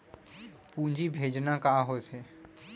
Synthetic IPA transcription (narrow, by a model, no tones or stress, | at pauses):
pũːɲd͡ʒibʱeːd͡ʒnakaːɦoːseː